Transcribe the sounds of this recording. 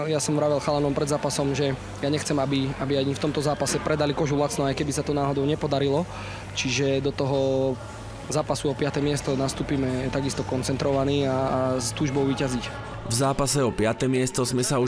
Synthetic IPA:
jasɔmʋɾaʋɛlxalanɔmpɾɛd̪zaːpasɔmʒɛ | jaɲɛxt͡sɛmabiabiajft̪ɔmt̪ɔzaːpasɛpɾʔɛd̪alikɔʒulat͡snɔajkɛbisat̪ɔnaːɦɔd̪ɔʊɲɛpɔd̪aɾilɔ | t͡ʃiʒɛd̪ɔt̪ɔɦɔ | zaːpasuɔpɪat̪ɛmɪɛst̪ɔnast̪uːpiːmɛt̪aɡist̪ɔkɔnt͡sɛnt̪ɾɔʋaniːast̪uːʒbɔʊʋiːcazic | vzaːpasɛɔpɪat̪ɛmɪɛst̪ɔzmɛsau

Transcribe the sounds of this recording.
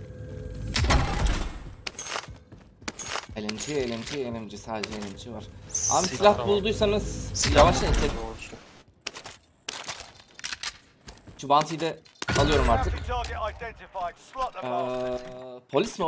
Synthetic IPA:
elʲemt͡ʃʰeelʲemt͡ʃʰeenemd͡ʒɛsaːd̪ed͡ʒɛːlʲemt͡ʃʰɛvaɾ̥a̰msilʲah̪bulˠd̪ujsanɯz̥javaʃnet̪ʰeɾ | t͡ʃʰubant̪ʰɯjd̪ɛalˠɯjo̞ɾumaɾt̪ʰɯ | pʰo̞lʲism

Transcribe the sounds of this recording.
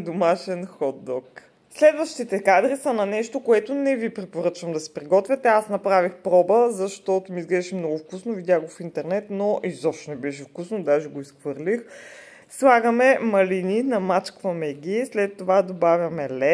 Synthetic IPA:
d̪omaʃɛnxɔd̪ːɔk | slɛd̪vəʃt̪it̪ɛkad̪ɾisɐnɐnɛʃt̪okoɛt̪onɛvipɾɛpoɾɤt͡ʃvɐmd̪ɐsɛ̥pɾiɡɔt̪vʲjɛt̪ɛasnɐpɾavixpɾɔbəzɐʃt̪ɔt̪omiizɡlɛʃimnɔɡʊfkusnovid̪ʲjaɡofint̪ɛɾnɛt̪noʔizɔfʃt̪ɛnɛbɛʃ̬ɛfkusnod̪aʒɛɡoisxvɤɾlix | slˠaɡəmɛmɐlininɐmat͡ʃkvɐmɛɡʲislɛt̪ːovad̪obavʲjɐmɛlɛ

